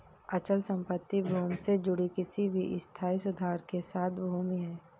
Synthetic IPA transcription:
ɐt͡ʃəlsə̃mpət̪ːibʱuːmsed͡ʒʊɽikɪsibʱiʔɪst̪ʰaːisʊd̪ʱaːɾkesaːt̪ʰbʱuːmiɦɛː

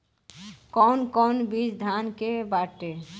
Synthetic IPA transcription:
kɔnkɔnbid͡ʒd̪ʱankebaʈe

